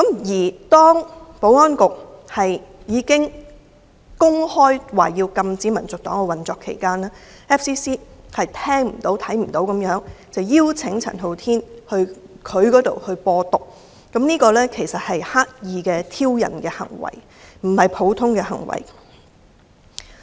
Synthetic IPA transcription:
kɐ˨˧˥mjiː˨˩t̪ɔː˥ŋpo˨˥wɔː˥nkʊ˨k̚hɐ˨j | jiː˨˧kɪ˥ŋ | kʊ˥ŋhɔː˥jwaː˨˩jiː˧wkɐ˧mt͡siː˨˥mɐ˨˩nt͡sʊ˨k̚t̪ɔː˨˥ŋkɛ˧wɐ˨nt͡sɔː˧kʰːe˨˩jkaː˥naː˥ | ɛː˥fsiː˥siː˥hɐ˨jt̪ʰɛː˥ŋm̩˨˩t̪o˨˥wt̪ʰɐ˨˥jm̩˨˩t̪o˨˧˥wkɐ˨˥mjœː˨˥ŋt͡sɐ˨wjiː˥wt͡sʰɪ˨˥ŋt͡sʰɐ̰˨˩nɦo˨wt̪ʰiː˥nhɵ˧ɥ | kʰɵ˨˧ɥkɔː˨˥t̪o˨whɵ˧ɥpɔː˧t̪ʊ˨k̚ | kɐ˨˥mniː˥kɔː˧lɛː˥kʰe˨˩jsɐ˨t̚hɐ˨jhaː˥k̚jiː˨˧kɛː˧t̪ʰiː˥wjɐ̰˨˩nkɛː˧hɐ̰˨˩ŋwɐ̰˨˩j | m̩˨˩hɐ˨jpʰo˨˥wt̪ʰʊ˥ŋkɛː˧hɐ̰˨˩ŋwɐ̰˨˩j

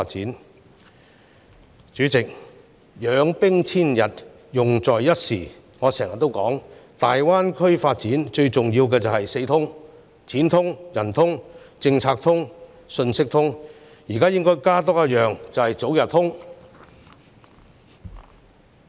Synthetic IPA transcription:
t̚t͡siː˨˥n | t͡ʃyː˨˥t͡sɪ˨k̚ | jœː˨˧ŋpɪ˥ŋt͡sʰiː˥njɐ˨t̚ | jʊ˨ŋt͡sɔː˨˩jjɐ˥t̚siː˨˩ | ŋɔː˨˧sɛː˨˩ŋjɐ˨t̪ːo˥wkɔː˨˥ŋt̪aː˨jwaː˥nkʰɵ˥ɥfaː˧t̚t͡siː˨˥nt͡ʃɵ˧ɥt͡sʊ˨ŋjiː˧wkɛː˧t͡sɐ˨whɐ˨jse˧jt̪ʰʊ˥ŋ | t͡sʰiː˨˥nt̪ʰʊ˥ŋjɐ˨˩nt̪ʰʊ˥ŋ | t͡sɪ˧ŋt͡sʰaː˧k̚t̪ʰʊ˥ŋ | sɵ˧nsɪ˥k̚t̪ʰʊ˥ŋ | jiː˨˩kaː˥jɪ˥ŋkɔː˥jkaː˥t̪̬ɔː˥jɐ˥t̚jœː˨ŋt͡sɐ˨whɐ˨jt͡so˨˥wjɐ˨˩t̪̚ʰʊ˥ŋ

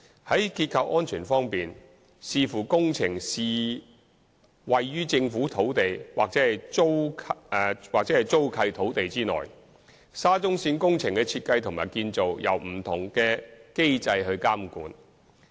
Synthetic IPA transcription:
hɐ˨˥jkiː˧t̚kʰɐ˧wʔɔː˥nt͡ʃʰyː˨˩nfɔː˥ŋpiː˨n | siː˧fuː˨˩kʊ˥ŋt͡sʰɪ˨˩ŋsiː˨ | wɐ˨jːyː˥t͡sɪ˧ŋfuː˨˥t̪ʰo˨˥wt̪e˨jwa̰ː˨k̚t͡sɛː˨˥hɐ˨jo˥wʰ | waː˨k̚t͡sɛ˨˥hɐ˨jt͡so˥wkʰɐ˧jt̪ʰo˨˥wt̪e˨jt͡siː˥ŋɔ̰ː˨˩j | saː˥t͡sʊ˥ŋsiː˧nkʊ˥ŋt͡sʰɪ˨˩ŋkɛ˧t͡sʰiː˧t̚kɐ˧jt̪ʰʊ˨˩maː˨˩jkiː˧nt͡so˨wjɐ̰˨˩wm̩˨˩t̪ʰʊ˨˩ŋkɛː˧ke˥jt͡sɐ˧jɦɵ˧ɥkaː˥mkṵː˨˥n

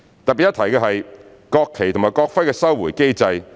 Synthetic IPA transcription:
t̪ɐ˨t̚pi˨˩jɐ˥t̪ʰɐ˨˩jkɛː˧ɦɐ˨j | kɔː˧kʰːe˨˩jtʰʊ˨˩ŋmaː˨˩jkɔː˧k̚fɐ˥jkɛː˧sɐ˥wwuː˨˩jke˥jt͡sɐ˧j

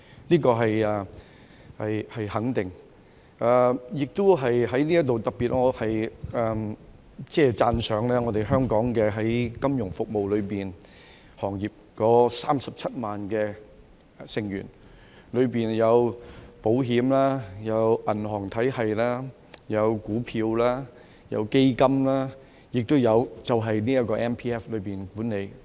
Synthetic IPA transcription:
niː˥kɔː˧ɦɐ˨jɐː˨ | hɐ˨jhɐ˨jhɐ˨˥ŋt̪ɪ˨ŋ | ʔaː˨˩jɪ˨k̚t̪o˥wɦɐ˨jɦɐ˨˥jliː˥jɐ˥t̪o˨wt̪ɐ˨k̚piː˨t̚ŋɔː˨˧hɐ˨jɐː˨˩ | t͡sɛː˥˩t͡saː˧nsœː˨˧ŋlɛː˥ŋɔː˨˧t̪e˨jɦœː˥ŋkɔː˨˥ŋkɛː˧ɦɐ˨˥jkɐ˥mjʊ˨˩ŋfʊ˨k̚mo˨wlɵ˨˧ɥpiː˨˩n | hɔː˨˩ŋjiː˨p̚kɔː˨˥saː˥msɐ˨p̚t͡sʰɐ˥t̚maː˨nkɛː˧ | sɪ˨˩ŋɥyː˨˩n | lɵ˨˧ɥpiː˨njɐ˨˧wpo˨˥wɦiː˨˥mlaː˥jɐ˨˧wʔɐ˨˩nɦɔː˨˩ŋt̪ʰɐ˨˥jhɐ˨jlaː˥ | jɐ˨˧wkuː˨˥pʰiː˧wlaː˥ | jɐ̰˨˧wke˥jkɐ˥mlaː˥ | jɪ˨k̚t̪o˥wjɐ˨˧wt͡sɐ˨wɦɐ˨jniː˥jɐ˥t̚kɔː˧ʔɛː˥npʰiː˥ɛː˥flɵ˨˧ɥpiː˨nkuː˨˥nne˨˧j

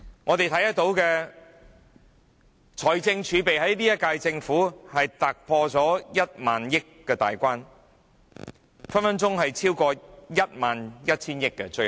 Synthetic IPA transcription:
ŋʔɔː˨˧t̪e˨jt̪ʰɐ˨˥jɐ˥t̚t̪o˨˥wkɛː˧ | t͡ʃʰɔː˨˩jt͡sɪ˧ŋt͡ʃʰyː˨˧pe˨jɦɐ˨˥jliː˥jɐ˥t̚kaː˧jt͡sɪ˧ŋfuː˨˥hɐ˨jt̪aː˨˩k̚pʰɔː˧t͡sɔː˨˥jɐ˥t̚maː˨njɪ˥kːɛː˧t̪a̰ː˨jkʷaː˥n | fɐ˥nfɐ˥nt͡sʊ˥ŋɦɐ˨jt͡sʰiː˥wkɔː˧jɐ˥t̚maː˨njɐ˥t̚t͡sʰiː˥njɪ˥kːɛ˧t͡ʃɵ˧

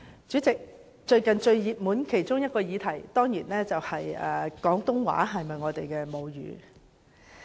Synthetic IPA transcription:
t͡ʃyː˨˥t͡sɪ˨k̚ | t͡ʃɵ˧ɥkɐ˨nt͡ʃɵ˧ɥjiː˨p̚muː˨˥nkʰe˨˩jt͡ʃʊ˥ŋjɐ˥t̚kɔː˧jiː˨˧t̪ʰɐ˨˩jt̪ɔː˥ŋjiː˨˩nlɛː˥t͡sɐ˨whɐ˨jɛ̰ː˨˩kɔː˨˥ŋt̪ʊ˥ŋwa̰ː˨˥ɦɐ˨jmɐ˨jŋɔː˨˧t̪e˨jkɛː˧mo˨˧wjy̰ː˨˧˥

